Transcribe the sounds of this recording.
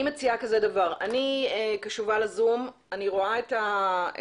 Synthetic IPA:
imet͡siakazedavaʁa̰niekaʃuvalazum | aniʁoaeta

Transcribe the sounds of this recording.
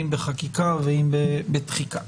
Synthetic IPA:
imbeχakikaveimbebet̪χika

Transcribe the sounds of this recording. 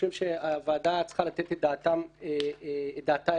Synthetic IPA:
imʃeavaːd̪at͡sχalat̪et̪ed̪aːt̪amed̪aːt̪a

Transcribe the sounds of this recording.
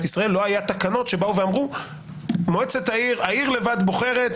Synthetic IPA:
t̪isʁaelːo̞ajat̪akano̞t̪ʃe̞bauveamʁu | moet͡set̪aiʁaiʁle̞vad̪bo̞χe̞ʁe̞t̪

